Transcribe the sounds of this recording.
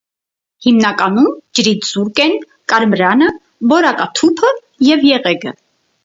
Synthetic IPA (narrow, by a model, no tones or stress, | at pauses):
himnɑkɑnumd͡ʒəɾit̪ʰz̥uɾkɛn | kɑɾmɾɑnə | bɔɾɑkɑt̪ʰupʰə | jɛvjɛʁɛɡə